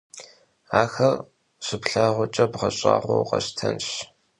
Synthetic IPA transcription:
aːxɐr | ɕɪpɬaːʁʷʊt͡ʃʼɐbʁɐɕʼa̰ːʁʷo̰wqɐ̰ɕtʰɐnɕ

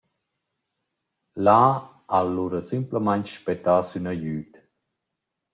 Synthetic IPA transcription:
la | alːuɾəsimpləmaɲt͡ʃʃpɛt̪aːsynajyːt̪

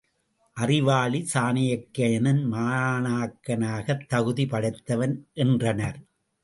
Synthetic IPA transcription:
ʔɐrɪʋaːɭisaːnɪjɐkːɐɐnɐnmaːnaːkːɐnaːɣɐt̪ːɐɣɯðipɐɽɐɪt̪ːɐʋɐnʔɛndrɐnɐɾ

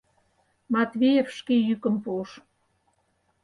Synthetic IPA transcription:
mɑt̪vʲejefʃkejykə̆mpuʃ

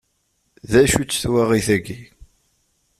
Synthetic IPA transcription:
ðæʃut͡sːθwaʁiθæɡi

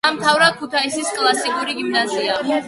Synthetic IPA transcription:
amt̪ʰavɾḁkʰut̪ʰaisiskʼlˠasikʼuɾiɡimnazia

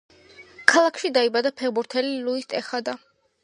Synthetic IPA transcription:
kʰalˠakʰʃid̪aibad̪apʰɛʁbuɾt̪ʰɛliluist̪ʼɛχad̪a

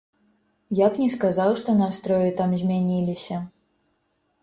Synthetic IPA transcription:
japnʲɛskazawʂt̪ɔnast̪ɾɔjɪt̪amzʲmʲanʲilʲisʲɐ

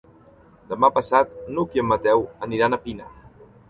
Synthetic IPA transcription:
d̪əmapəsat̪̚nukiəmːət̪ɛwəniɾanapina

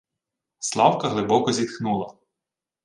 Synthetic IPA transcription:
slˠɑwkɐɦlˠɪbɔkɔzʲit̪xnulˠɐ

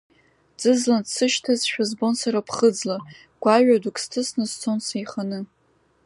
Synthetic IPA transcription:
d͡zɨzlandsɨʃtʰazʃᶣazbo̞nsaɾapʰχəd͡zla | ɡ̥ʷaɥᶣadukʰʼstʰɨsnɨst͡sʰonsajχanɨ

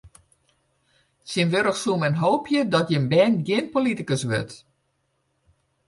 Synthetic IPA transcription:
sinʋøɾəxsumɛnɦoːpʰjədɔtjənbɛːnɡjɪn̚politikəsʋø̰t

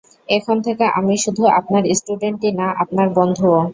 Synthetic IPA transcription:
ekʰont̪ʰekeʔamiʃud̪ʱuapnaɾisʈuɖeɳʈinaʔap̚naɾbɔnd̪ʱuo

